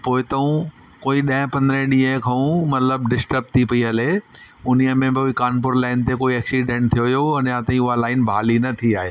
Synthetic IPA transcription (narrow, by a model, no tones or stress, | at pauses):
poːɪt̪ɐũ | koːiɗɐ̃ɦɪ̃pɐ̃nd̪ɾẽɗiːekʰɐ̃ũmɐt̪ləb̚ɖɪsʈəɾb̚t̪ʰipɐiɐle | ʊniəmẽbɪoːikaːnp̬ʊɾlaːɪnt̪ekoːiɛːksiɖẽːɳʈ̚t̪ʰijojoɐnãːt̪ãĩʊɦalaːɪnbʱaːlinɐt̪ʰiaːɦeː